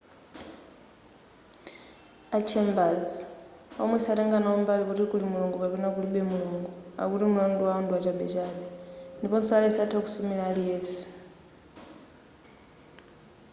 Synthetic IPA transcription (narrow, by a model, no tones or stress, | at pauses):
at͡ʃʰɛmbad͡ziɔ̰mwɛsatɛŋɡanaɔmbalikutikulimulɔŋɡɔkapɛnak̬uliɓɛmuluŋɡɔa̰kutimulanduwaɔnduwat͡ʃaɓɛt͡ʃaːɓɛndipɔnsɔalɛsatʰaku̥sumiɺaːlijɛːsɛ̥